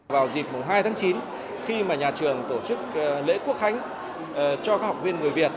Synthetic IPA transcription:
vaː˨˩wzi˨˩p̚mʊ˨˩ŋ͡mɦaː˧jt̪ʰaː˨˦ŋt͡ɕi˨˦n | xi˧maː˨˩ɲaː˨˩t͡ɕɨ˨˩əŋt̪o˧˩t͡ɕɨ˦˥k̚ːlḛ˧˥ku˦˥ək̚xa˧jŋ̟˩ | t͡ɕɔ˧kaː˦˥ha˨˩k͡p̚vi˧ənŋɨ˨˩əjvi˨˩ət̚

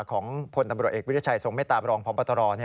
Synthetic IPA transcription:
kʰɔː˩˦ŋpʰo˧nt̪a˧mɾu˨˩əʔeː˨˩w̪ʰa˧˩so˨˩ŋma˥˩jt̪aː˨˩mɾɔː˧ŋpʰɔː˦˥mpɔː˧t̪ʰːɾɔː˧ni˥˩

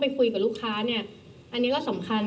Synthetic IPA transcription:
pa˧jkʰu˧jka˨˩luː˦˥˩kʰːaː˦˥ni˥˩ɐ | ʔa˧nːi˦˥kɔ˥˩sa˩˦mkʰa˧n

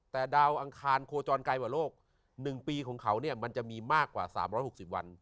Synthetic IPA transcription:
t̪ɛː˨˩daː˧wʔa˧ŋkʰaː˧nkʰoː˧t͡ɕɔː˧nkaː˧jkwaː˨˩˦loː˥˩k̚ | nɯ˨˩ŋpiː˧kʰɔː˩˦ŋkʰa˩˦wni˥˩ɐma˧nt͡ɕa˨˩ʔmiː˧maː˥˩kːwa̰ː˨˩sa̰ː˩˦mɾɔː˦˥jho˨˩k̚si˨˩p̚wa̰˧n

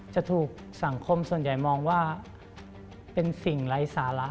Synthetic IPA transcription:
t͡ɕa˨˩t̪ʰuː˨˩k̚ | sa˩˦ŋkʰo˧msu˨˩ənja˨˩jmɔː˧ŋwaː˥˩ | pe˧nsi˨˩ŋla˩˦jsaː˩˦la˦˥

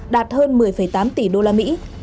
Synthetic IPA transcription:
ɗaː˨˩t̚həː˧nmɨ˨˩əjfəː˧˩jt̪aː˨˦mt̪i˧˩ɗo˧laː˧mḭ˧˥

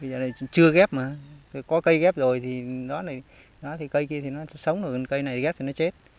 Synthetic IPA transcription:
ɓə˧zəː˨˩a˨˩˨t͡ɕɨ˧əɣɛ˦˥p̚maː˨˩˨kɔ˨˦kə˧jɣɛ˦˥p̚zo˨˩jt̪ʰi˨˩ɗɔ˨˦laː˨˩ | ɗɔ˨˦t̪ʰi˨˩kə˧jki˧ət̪ʰi˨˩nɔ˨˦˨sə˨˦wŋ͡mnɨ˨˩kkə˧jna˨˩jt̪i˨ɣɛ˦˥p̚t̪ʰi˨˩nɔ˨˦t͡ɕe˦˥t̚

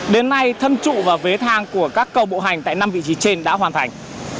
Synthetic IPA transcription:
ɗe˨˦nːa˧jt̪ʰə˧nt͡ɕṵ˧˨vaː˨˩ve˨˦t̪ʰaː˧ŋku˧˩əkaː˦˥kːə˧wɓo̰˧˨ɦa˨˩jŋ̟t̪a̰ː˧˨jna˧mvḭ˧˨t͡ɕi˨˦t͡ɕe˧nɗa̰ː˧˥ɦwaː˨˩nt̪ʰa˨˩jŋ̟

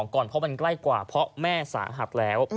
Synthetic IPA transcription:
ŋkɔː˨˩npʰɔ˦˥ma˧nkla˥˩jkwaː˨˩pʰɔ˦˥mɛː˥˩sa̰ː˩˦ɦa˨˩t̪̚lɛː˦˥w

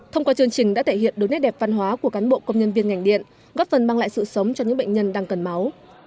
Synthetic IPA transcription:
t̪ʰə˧wŋ͡mkwaː˧t͡ɕɨ˧əŋt͡ɕï˧˩ŋ̟ɗa̰ː˧˥t̪ʰe˧˩hḭ˧˨ənɗɨ˨˦jnɛ˦˥t̚ɗɛ˨˩p̚va˧nɦwaː˨˦ku˧˩əkaː˨˦nɓo̰˧˨kə˧wŋ͡mɲə˧nvi˧ənŋa˨˩jŋ̟ɗḭ˧˨ən | ɣɔ˦˥p̚fə˨˩nɓaː˧ŋla̰ː˧˨jsɨ̰˧˨sə˨˦wŋ͡mt͡ɕɔ˧ɲɨ̰˧˥ɓə̰˧˨jŋ̟ɲə˧nɗaː˧ŋkə˨˩nma˨˦w

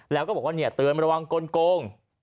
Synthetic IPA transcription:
lɛː˦˥wkɔː˥˩bkwaː˧˩i˧˩ə˩t̪ɨ˨˩ənma˧ɾwa˧ŋkoː˧nkoː˧ŋ

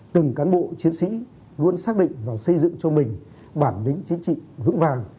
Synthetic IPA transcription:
t̪ɨ˨˩ŋkaː˨˦nɓo̰˧˨t͡ɕi˨˦ənsḭ˧˥ | lu˧ənsaː˦˥k̚ɗḭ˧˨ŋ̟vaː˨˩sə˧jzɨ̰˧˨ŋt͡ɕɔ˧mï˨˩ŋ̟ | ɓaː˧˩nlï˨˦ŋ̟t͡ɕi˨˦ŋt͡ɕḭ˧˨vɨ̰˧˥ŋvaː˧˩ŋ

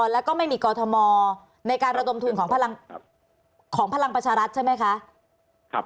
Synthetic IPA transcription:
ɔ˨˩lɛː˦˥wkɔː˥˩ma˥˩jmiː˧kɔː˧t̪ʰɔ˧mɔː˧ | na˧jkaː˧nɾa˧do˧mt̪ʰu˧nkʰɔː˩˦ŋpʰa˧la˧ŋ | kʰɔː˩˦ŋpʰa˧la˧ŋpɾa˧t͡ɕʰaː˧ɾa˦˥t̪̚t͡ɕa˥˩jma˦˥jkʰa˦˥ʔ

